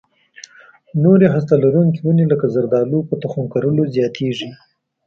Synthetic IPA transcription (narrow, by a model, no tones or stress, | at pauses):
noɾeɦast̪alaɾuŋkiwuneləkazaɾd̪ɑlupət̪axuŋkaɾəlozjɑt̪ʰeʐi